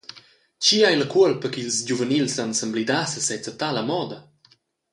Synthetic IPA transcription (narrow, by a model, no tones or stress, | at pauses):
t͡ɕiajləkuəlpəkilsd͡ʑuvənilsansəmblid̪asəsɛt͡sat̪aləmɔd̪ə